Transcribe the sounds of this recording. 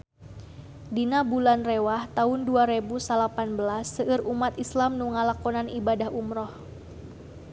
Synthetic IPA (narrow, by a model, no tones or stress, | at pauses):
dinabulanrewaht̪aɦʊnduaɾebusalapanbəlasːəʔɨrumat̪islamnuŋalakɔnanibadahumɾɔh